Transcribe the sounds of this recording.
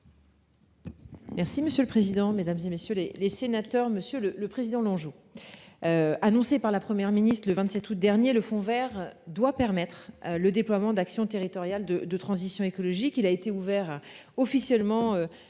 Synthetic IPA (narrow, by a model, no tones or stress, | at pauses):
mɛʁsiməsjøləpχezid̪ɑ̃med̪amzemesjølelesenat̪œʁməsjølələpχezid̪ɑ̃lɔ̃ʒo | øanɔ̃sepaʁlapχəmjɛʁminist̪χləvɛ̃t̪sɛt̪ut̪̚d̪ɛʁnjeləfɔ̃vɛʁd̪wapɛʁmɛt̪χləd̪eplwamɑ̃d̪aksjɔ̃t̪eʁit̪ɔʁjald̪əd̪ət̪χɑ̃zisjɔ̃ekɔlɔʒikilaet̪euvɛʁɔfisjɛlmɑ̃ø